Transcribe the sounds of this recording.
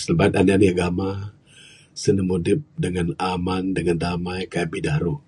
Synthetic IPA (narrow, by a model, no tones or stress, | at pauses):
səlbait̪̚anianiaɡama | sənəmudɪp̚dəŋanamandəŋandamajkajabidahɾu